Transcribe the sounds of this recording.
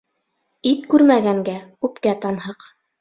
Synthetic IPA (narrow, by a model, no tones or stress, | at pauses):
it̪kʉɾmæɡæŋɡæʉpkæt̪ɑnhɤq